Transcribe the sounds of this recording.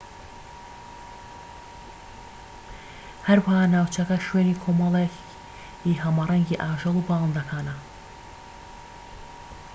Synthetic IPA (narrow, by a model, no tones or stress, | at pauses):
hɐɾwahaːnaːwt͡ʃʰɐkɐʃɥeniːkʰoːmɑlˠe | iɦɐmarˤɛŋɡiːʔaːʒɐlˠubɑːlˠɑnd̪ɐkʰaːnɐ